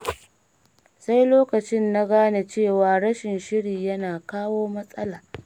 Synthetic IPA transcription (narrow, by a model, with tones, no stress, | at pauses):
sa˦jloː˦kɐ˨t͡ʃɪ˦nːa˦ɡaː˦na˨t͡ʃeː˦˨waː˨ɽɐ˦ʃɪ˨nʃɪ˦ɽiː˨jɐ˦naː˨kaː˦woː˦mɐ˦sʼɐ˦laː˨ʔ